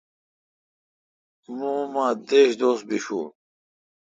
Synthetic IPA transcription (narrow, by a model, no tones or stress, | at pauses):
nũːmãːd̪eːɕd̪oːs̚biɕṵː